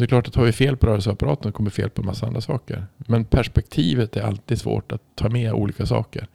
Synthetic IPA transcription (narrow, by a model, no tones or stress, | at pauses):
d̪ɛkʰlɑːʈat̪hɑːɾvɪfeːlpʰɔɾœːɾəls̬əapaɾɑːt̪ənkɔmːəɾfḛːlpʰɔnmasːaand̪ɾasɑːkə̰ɾmɛnpʰæʂpɛk̚t̪ʰiːvət̪æɾa̰lt̪iːd̪svo̰ːʈat̪ʰːɑːmɛːʔṵːliːkasɑ̰ːkə̰ɾ